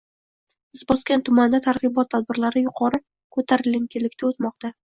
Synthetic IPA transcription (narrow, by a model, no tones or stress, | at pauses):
bɪzbɒskʲant̪ʰʊmand̪at̪ʰaɾʁɨbɒt̪ʰːad̪̚bɪɾlaɾɪjʊqʰɒɾɪ | kʰɵt̪ʰaɾɪlɪŋkʲɪlːɪkʲt̪ʰaot̪mɒq̚t̪a